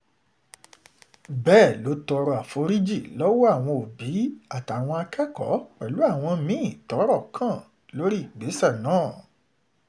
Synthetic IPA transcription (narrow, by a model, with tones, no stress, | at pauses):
bɛː˦˨lo˨˦tɔ˧ɾɔ˧˨a˨fo˨˧˦ɾi˦d͡ʒi˦˨lɔ˦wɔ˦a˦˨w̃ɔ̃˧o˨bi˨˦a˦˨ta˨w̃ɔ̃˧a˧kɛ˦kɔ̰˨˦k͡pɛ˨lu˨˦a˦˨w̃ɔ̃˧mĩ˦˨tɔ˨˦ɾɔ˦˨kʰã˦˨ | lo˦ɾi˦i˦˨ɡ͡be˨˦sɛ˦˨nãː˦˨